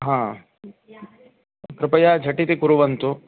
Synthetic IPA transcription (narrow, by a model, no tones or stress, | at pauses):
ɦãː | kɾɪpɐjaːd͡ʒʱɐʈit̪ikuɾuʋɐnt̪u